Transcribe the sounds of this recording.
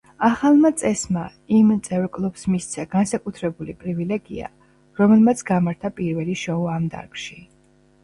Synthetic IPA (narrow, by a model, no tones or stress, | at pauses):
aχalˠmat̪sʼɛsma | imt̪sʼɛvɾkʼlˠupsmist̪sʰɛɡ̥ansakʼut̪ʰɾɛbulipʼɾivilɛɡḭa̰ | ɾɔmɛlˠmat̪sʰɡamaɾt̪ʰapʼiɾvɛliʃɔɔamd̪a̰ɾkʃi